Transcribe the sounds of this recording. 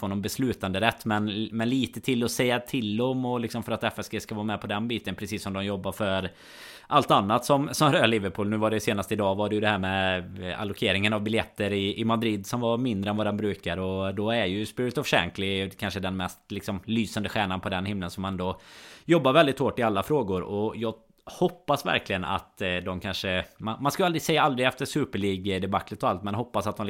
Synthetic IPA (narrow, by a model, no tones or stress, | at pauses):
foːnɔbɛslʉ̟ːt̪and̪əɾɛt̪ːmɛnmɛnliːt̪ət̪ʰɪlːɔsɛjːat̪ʰɪld̪ɔmɔlɪksɔmfœɾat̪ɛfɛsɡeːskavɑːmɛpʰɔd̪ɛnbiːt̪ənpʰɾɛsiːsːɔmd̪ɔmjɔbːaɾfœɾ | ʔalt̪anːat̪sɔmsɔmhɾøalɪvəɾpʰuːlnʉ̟ːvaɖɛjseːnast̪əɪd̪ɑːvaɖɛjɵd̪ɛhæːɾmɛa̰lːʊkʰeːɾɪŋənavbɪljɛt̪ʰːəɾɪʔɪmad̪ɾɪd̪sɔmvaɾmɪnd̪ɾəɛnvad̪ɛnbɾʉːkaɾɔd̪ɔæɾjɵspɪɾɪt̪ɔvʂɛ̰ŋklɪkʰanʂəd̪ɛnmɛst̪lɪksɔmlyːsand̪əɧæːɳanpʰɔd̪ɛnhɪmlənsɔmanɛnd̪ɔjɔbːaɾvɛld̪ɪt̪hoːʈːɪalːafɾoːɡʊɾɔjɑː | hɔpːasvæ̰ɾklɪɡəna̰t̪d̪ɔmkʰanʂəmanmanskalald̪ɾɪsɛjːaald̪ɾɪɡɛft̪əʂʉ̟ːpəɭiːɡd̪ɛbakːlət̪ɔalt̪mɛnhɔpːasat̪̚ɔm